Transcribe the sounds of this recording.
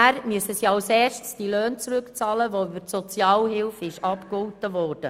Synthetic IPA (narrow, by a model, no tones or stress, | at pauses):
æɾmyəsəsiɑlsɛːʃtsd̥iløːnt͡sɾʏkt͡sɑːləʋoybəɾtsɔt͡sjɑːlɦɪlfɪʃɑpkʊltəʋɔːrd̥ə